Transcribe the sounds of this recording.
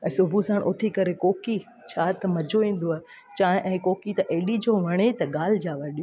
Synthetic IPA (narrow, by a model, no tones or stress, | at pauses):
ɛ̃ːsʊbʱusaːɽ̃ʔʊt̪ʰikɐɾekoːki | t͡ɕʰaːt̪ɐmɐd͡ʑʱoĩːn̆d̪oaːɦe | t͡ɕaːɦɪ̃ʔɛ̃ːkoːkit̪ɐʔeːɗid͡ʑoːʋɐɽ̃et̪ɐɠaːl̤d͡ʑaːʋɐɗijo